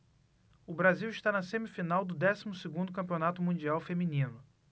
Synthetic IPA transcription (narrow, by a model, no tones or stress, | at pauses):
ʊbɾaziwiʃt̪anɐsẽmifinawd̪ʊd̪ɛsimʊsɪɡũd̪ʊkɐ̃pionat̪ʊmũd͡ʒiawfemĩnĩnʊ